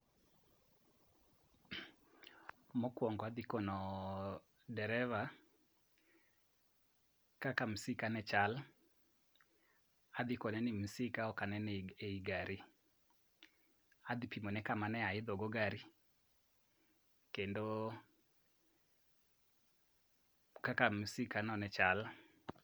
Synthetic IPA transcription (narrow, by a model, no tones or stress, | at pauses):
mokwɔŋɡɔadikɔnɔ | dɛɾɛva | kakam̩sikanɛt͡ʃal | ad̪ikɔnɛnim̩sikaɔkanɛneiɡaɾi | adipimɔnɛkamanɛaɪðɔɡɔɡaɾi | kendo | kakam̩sikanɔnɛt͡ʃal